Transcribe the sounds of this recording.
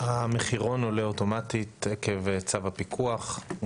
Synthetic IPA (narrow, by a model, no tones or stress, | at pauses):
hameχiʁo̞no̞leoto̞matit̪ekevet͡savapikʰuaχ